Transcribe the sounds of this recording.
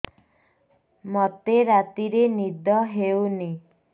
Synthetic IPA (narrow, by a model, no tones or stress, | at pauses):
mɔt̪eɾat̪iɾenid̪ɔɦewni